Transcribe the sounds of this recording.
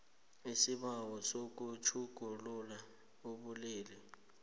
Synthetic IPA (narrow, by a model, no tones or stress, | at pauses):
isiɓawɔsok̬ʼut͡ʃʰuɡ̥ʱulula | uɓuliːlɛ